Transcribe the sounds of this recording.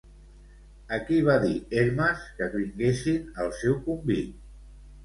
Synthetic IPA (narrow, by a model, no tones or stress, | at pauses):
əkiβ̞aðieɾməskəkβiŋɡesinəlˠsɛwkumbi